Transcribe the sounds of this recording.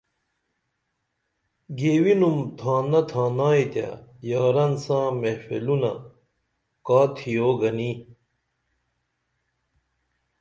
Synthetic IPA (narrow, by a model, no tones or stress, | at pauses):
ɡeːwinumt̪ʰãːnɐt̪ʰãːnaːit̪ja̰jaːɾɐnsãːmefḛlunɐ̰ | kaːt̪ʰijoːɡɐni